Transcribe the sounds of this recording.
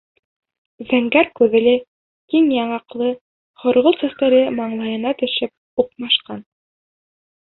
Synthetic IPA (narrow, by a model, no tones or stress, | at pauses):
zæŋɡæɾkʉðɘ̆lɘ | iŋjɑɴɑqlˠɤ | χŏɾʁolˠsæst̪æɾɘmɑɴlˠɑjɤ̆nɑt̪ɵ̆ʃɘp̚ | uq̚mɑʃqɑn